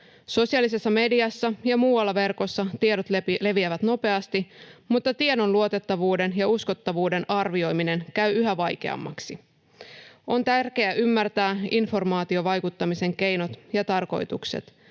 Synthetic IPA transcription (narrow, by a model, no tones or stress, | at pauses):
so̞siɑlise̞sːɑme̞diɑsːɑjɑmuːwɑlːɑʋe̞rko̞sːɑt̪iedot̪lele̞ʋiæʋæt̪no̞pe̞ɑst̪imut̪ːɑt̪iedo̞nluo̞t̪et̪ːɑʋuːde̞njɑusko̞t̪ːɑʋuːde̞nʔɑrʋio̞jmine̞nkæɥyɦæʋɑjk̟e̞̰ɑ̰mːɑ̰ksi | o̞nt̪ærk̟e̞æʔymːært̪æːinfo̞rmɑːt̪io̞ʋɑjkut̪ːɑmise̞ŋke̞jno̞t̪jɑt̪ɑrko̞̰jt̪uksḛt̪